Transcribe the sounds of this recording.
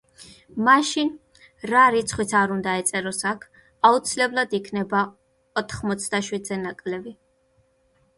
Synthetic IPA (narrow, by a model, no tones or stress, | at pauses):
maʃin | ɾaɾit̪sʰχwit̪sʰaɾund̪aɛt̪sʼɛɾɔsakʰ | aut̪sʰilɛblˠad̪ikʰnɛba | ɔt̪ʰχmɔt̪sʰd̪aʃwid̪zɛnakʼlɛbi